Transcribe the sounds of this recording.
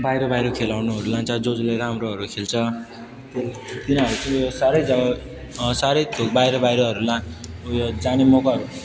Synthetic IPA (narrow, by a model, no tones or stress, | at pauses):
bajɾobajɾokʰelawnuɦʌɾulãnt͡sʰʌd͡zod͡zleɾaamɾoʌɾukʰelt͡sʰʌ | t̪et̪inʌɾut͡sʌosaɾʌjd͡zʌbʌ | saɾʌjt̪ʰobajɾʌbajɾʌɦʌɾulãjod͡zanemokaɦʌɾu